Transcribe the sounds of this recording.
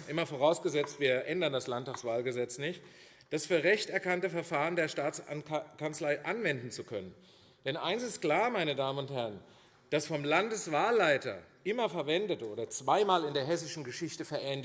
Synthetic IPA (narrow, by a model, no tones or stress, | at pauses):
ʔɪmɐfoːʁaʊsɡ̥əzɛt͡stv̥iːɐʔɛndɐndaslantaːksv̥aːlɡəzɛt͡snɪçt | d̥asfyːɐʁɛçtɛɐkantəfɛɐfaːʁəndeːɐʃtaːt͡snkʰant͡slaɪʔanvɛndn̩t͡sukʰœnən | d̥ɛnʔa̰ɪnsɪstkl̥aːɐmaɪnədaːmənʊnthɛɐən | d̥asfɔmlandəsv̥aːlːaɪtɐ̰ʔɪmɐfɛɐvɛndətʔoːdɐt͡sv̥aɪmaːlɪndeːɐɦɛsɪʃn̩ɡəʃɪçtəfɛɐʔɛnd